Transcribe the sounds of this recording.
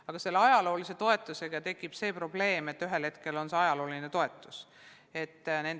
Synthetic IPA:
ɑɡ̥ɑse̞lːeɑjɑlo̞ːlise̞t̪o̞e̞t̪ːˑuse̞ɡ̥ɑt̪e̞kːˑib̥se̞ːpro̞ble̞ːme̞t̪ːyɦe̞lhe̞t̪ke̞lo̞nseɑjɑlo̞ːline̞t̪o̞e̞t̪ːˑus | e̞t̪ːne̞n

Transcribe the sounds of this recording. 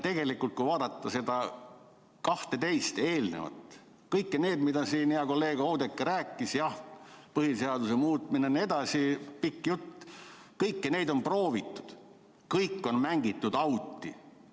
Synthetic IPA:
t̪e̞ɡ̥e̞likːˑult̪̚kujvɑːd̪̥ɑt̪ˑːɑse̞d̪ɑ | kɑht̪e̞t̪e̞jst̪e̞ːlnḛvɑ̰t̪ːˑ | kɤjkːene̞ːd̪mid̪ɑsiːniɑko̞lːe̞ːɡ̥owd̪ekːeɾæːkˑːisjɑhpɤhiseɑd̪use̞muːt̪minenie̞d̪ɑsipikːjut̪ːkɤjkːene̞jd̪o̞npro̞ːvit̪ːˑu̥d̪̥ | kɤjkːˑo̞nmæŋɡit̪ˑːud̪ɑwt̪ːˑi

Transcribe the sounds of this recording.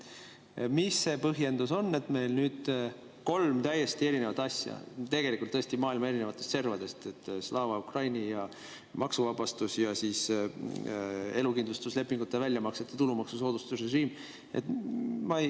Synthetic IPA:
misːe̞pɤɦje̞nd̪uso̞nːe̞t̪me̞jlnyːd̪̥ | ko̞lmt̪æjːe̞st̪ie̞ɾinevɑt̪ɑsʲjɑ̰t̪e̞ɡ̥e̞likːˑult̪ːɤest̪imɑːilmɑe̞ɾine̞vɑt̪ːˑe̞st̪se̞rvɑd̪e̞st̪et̪ːˑslɑːvɑukrɑjnijɑ | mɑksuvɑbɑst̪usjɑsiːs | e̞lukind̪lust̪usle̞pːˑiŋɡ̥ut̪ːˑevælʲjɑmɑkset̪ːˑe̥t̪ulumɑksuso̞ːd̪ust̪usreʒiːm | ḛt̪mɑ

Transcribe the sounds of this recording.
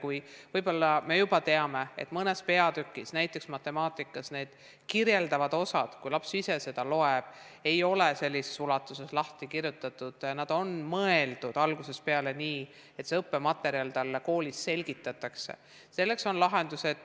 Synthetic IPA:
kujvɤjbo̞lːɑme̞jub̥ɑt̪e̞ɑme̞ḛt̪ˑmɤne̞spe̞ɑd̪ykːˑisnæjt̪ˑːe̞ksmɑt̪ːe̞mɑːt̪ˑikːˑɑsne̞ːd̪̥ | kirje̞ld̪ɑvɑd̪̥o̞sɑd̪̥kujlɑpsise̞se̞d̪̥ɑlo̞eb̥ | e̞jo̞lese̞lʲːise̞sulɑt̪ːˑuse̞slɑht̪ikiɾjut̪ːˑɑt̪ːˑud̪̥jɑnɑd̪̥o̞nmɤeld̪̥ud̪̥ɑlɡ̥use̞spe̞ɑle̞niː | e̞t̪ːseɤpːe̞mɑt̪ːˑe̞ɾiɑlt̪ɑlːeko̞ːlʲisːe̞lɡ̥it̪ːˑɑt̪ːˑɑksḛ | se̞lːe̞kso̞nlɑɦe̞nd̪used̪̥

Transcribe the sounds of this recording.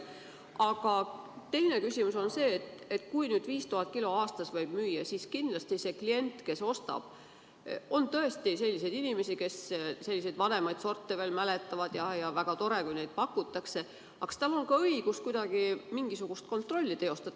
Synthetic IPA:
ɑɡ̥ɑt̪e̞jne̞kysʲimuso̞nse̞ːt̪et̪ːkujnyːd̪̥viːst̪uɦɑt̪̚ːˑkiloɑːst̪ɑsvɤjb̥myːjːɑsiskind̪lɑst̪ise̞klie̞nt̪ˑke̞so̞st̪ɑ̰b̥ | o̞nt̪ɤ̞e̞st̪ise̞lʲːise̞jd̪̥inime̞sike̞sse̞lːise̞jd̪̥vɑne̞mɑjd̪̥so̞rt̪ːeveːlmælet̪ːˑɑvɑd̪̥jɑjɑvæɡ̥ɑt̪o̞ɾe̞kujne̞jd̪̥̚pɑkːˑut̪ːˑɑkse̞ | ɑkst̪ɑlo̞nkɑɤiɡ̥uskujd̪̥ɑɡ̥imiŋɡ̥isuɡ̥ust̪̚ko̞nt̪ˑro̞lʲːit̪e̞o̞st̪ɑ

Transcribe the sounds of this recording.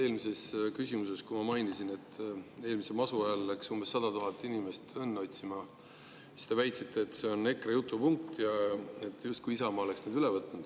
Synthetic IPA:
e̞ːlmise̞skysʲimus̬e̞skumɑmɑjnisine̞t̪ːe̞ːlmisemɑsuɑjɑlːæksumbe̞sːɑd̪ɑt̪uɦɑt̪ːˑinime̞st̪enːɑo̞t̪ʲsimɑ | sist̪e̞væjt̪sit̪ʰˑːe̞ːt̪ˑse̞o̞ne̞kːrejut̪ːˑupuŋk̚t̪jɑet̪ːˑjust̪̚kujisɑmɑːle̞ksned̪ylevɤt̪ˑːnud̪̥

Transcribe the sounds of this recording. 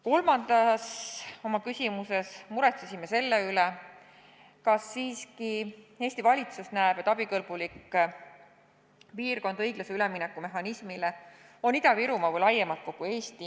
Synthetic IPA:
ko̞lmɑnd̪ɑso̞mɑkysʲimuse̞smuɾet̪sisime̞se̞lːeyle | kɑsːiːskie̞ːsʲt̪ivɑlʲit̪susnæeb̥et̪ːˑɑb̥ikɤlb̥ulikː | piːrko̞nd̪̥ɤjɡ̥lɑseyleminekːˑume̞ɦɑnismile | o̞nid̪̥ɑviɾumɑvɤjlɑjːemɑlt̪̚ko̞ɡ̥ue̞ːst̪i

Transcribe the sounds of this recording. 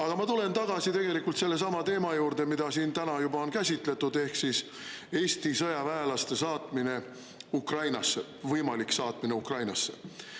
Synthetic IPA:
ɑɡ̥ɑmɑt̪ule̞nt̪ɑɡ̥ɑsit̪e̞ɡe̞likːˑult̪se̞lːe̞s̬ɑmɑt̪e̞ːmɑjuːɾd̪̥e̞mid̪̥ɑsiːnt̪ænɑjubɑo̞nkæsʲit̪le̞t̪ːud̪e̞hksis | e̞ːst̪isɤjɑvæelɑst̪e̞sɑːt̪ˑmine̞ | ukrɑjnɑsːe | vɤjmɑliksɑːt̪ˑmine̞ukrɑjnɑsːe̞̰

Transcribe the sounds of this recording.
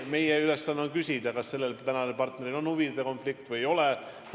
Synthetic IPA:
me̞jeylesːɑnːeonkysʲid̪̥ɑkɑsːe̞lːelt̪ænɑnelpɑrt̪ne̞ɾilo̞nuvid̪eko̞nflikt̪vɯjo̞lɛ

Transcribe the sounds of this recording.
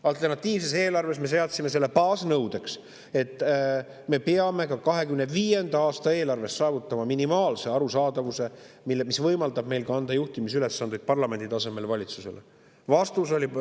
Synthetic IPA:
ɑlt̪ˑe̞rnɑt̪ʲːiːvs̬e̞s̬e̞ːlɑrve̞sme̞s̬e̞ɑt̪sime̞s̬e̞lːe̞pɑːsnɤwd̪e̞ks | e̞t̪ˑː | me̞peɑme̞kɑkɑɦe̞kymneviːje̞nd̪̥ɑɑːst̪ɑe̞ːlɑrve̞st̪sɑːvut̪ːˑɑmɑminimɑːlse̞ɑɾusɑːd̪ɑvuse̞ | milːmisvɤjmɑld̪ɑb̥me̞jlɡɑɑnd̪ɑjuht̪imisyle̞sːɑnd̪ujd̪̚pɑrlɑme̞nd̪̥it̪ɑse̞me̞lvɑlʲit̪suse̞̰le | vɑst̪uso̞lʲi

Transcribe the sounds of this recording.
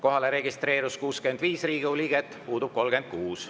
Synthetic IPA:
ko̞ɦɑle̞ɾe̞ɡist̪re̞ːɾuskuːske̞nd̪viːsriːɡiuliɡ̥et̪ːˑpuːd̪̥ub̥̚ko̞lɡe̞nd̪̥̚kuːs

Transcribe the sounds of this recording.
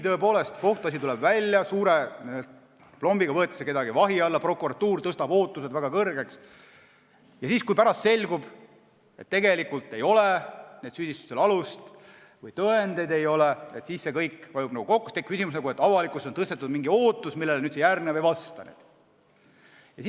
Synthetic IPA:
t̪ɤ̞epo̞ːle̞st̪ko̞ht̪uɑs̬ʲit̪ulɛbvælʲjɑsuːɾe̞nielt̪ | plo̞mbiɡ̥ɑvɤet̪ːˑi̥seke̞d̪ɑɡivɑɦiɑlːɑpro̞kuɾɑt̪ːuːrt̪ɤst̪ɑb̥o̞ːt̪ːˑuse̞d̪væɡɑkɤrɡe̞ks | jɑsiːskujpæɾɑst̪se̞lʲɡ̥ub̥ | e̞t̪ːe̞ɡe̞likːˑult̪ːe̞jo̞lene̞ːd̪syːd̪ist̪u̥st̪ːelɑlust̪ | vɤjt̪ɤend̪ejd̪e̞jo̞leet̪siːsse̞kɤjkːpɑjub̥nɑɡuko̞kːˑu̥st̪ekkys̬ʲimus̬nɑɡuet̪ːˑɑvɑlikːˑust̪o̞nt̪ɤst̪e̞t̪ːˑud̪miŋɡio̞ːt̪ːˑusmilːeleny̥ːsejærnevejvɑst̪ɑnḛd̪̥ | jɑsi

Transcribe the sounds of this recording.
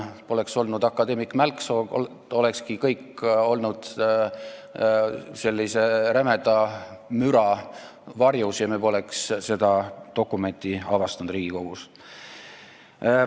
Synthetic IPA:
po̞le̞kso̞lnud̪ɑkːˑɑd̪e̞mikmælkso | o̞lekskikɤjkːo̞lnud̪̥ | se̞lːise̞ɾæmed̪ɑmyɾɑ | vɑrjusjɑmebo̞leksse̞d̪̥ɑt̪o̞kːˑume̞nʲt̪iɑvɑst̪ɑnd̪riːɡ̥iko̞ɡ̥us

